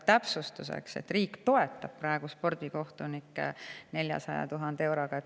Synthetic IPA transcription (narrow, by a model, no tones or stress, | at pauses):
t̪æpsust̪usḛkse̞̰t̪riːkt̪o̞e̞t̪ːˑɑb̥̚pɾɑeɡ̥uspo̞rd̪̥iko̞ht̪unikːˑḛne̞lʲjɑ̰sɑjɑ̰t̪uɦɑnd̪e̞wɾoɡ̥ɑet̪